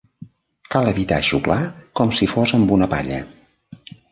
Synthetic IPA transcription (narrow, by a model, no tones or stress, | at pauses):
kalˠəβit̪a̰ʃuklakɔmsifozəmbunəpa̰ʎə̰